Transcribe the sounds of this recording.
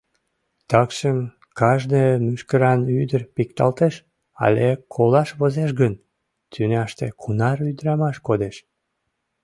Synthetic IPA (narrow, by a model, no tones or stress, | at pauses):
t̪ɑkʃəm | kɑʒd̪emyʃkəɾɑnyd̪ərpik̚t̪ɑ̰lt̪eʃ | ɑ̰lekʰolɑʃβozeʃ̬ɡən | t̪ʰynɑʃt̪ḛkʰunɑryd̪ɾɑmɑʃkod̪eʃ